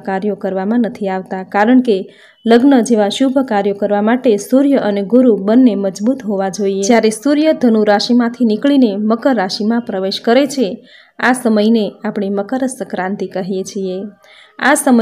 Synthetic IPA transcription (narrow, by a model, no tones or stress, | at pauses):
kaɾjokəɾʋamãnət̪ʰiaʋt̪akaɾəɳke | ləɡnəd͡ʒeʋaʃubʱəkaɾjokəɾʋamaʈesuɾjəʔəneɡuɾubənːeməd͡ʒbut̪ɦoʋad͡ʒoied͡ʒjaɾesuɾjəd̪ʱənuɾaʃimãt̪ʰinikɭineməkəɾːaʃimãpɾəʋeʃkəɾet͡ʃʰe | asəməjneapɳ̃iməkəɾəsəkɾãnt̪ikəɦijet͡ʃʰie | asəmə